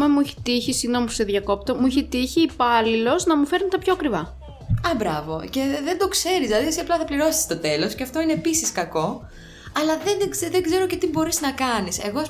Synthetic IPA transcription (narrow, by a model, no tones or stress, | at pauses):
memuiçi̥t̪içisiɣnomusteðʝɐko̞p̚t̪omuiçit̪içiːpɐlilo̞znɐmufe̞ɾnit̪ɐpçoɐkɾivɐ | ɐbɾɐ̰vo̞̰ce̞ðend̪o̞kse̞ɾizlɐðiesiɐplɐθɐpliɾo̞si̥st̪o̞t̪e̞lo̞sceɐft̪o̞ineːpisiskɐko̞ | ɐlɐðenzeðeɡze̞ɾocet̪ibo̞ɾiznɐkɐnise̞̰ɣo̞ɐs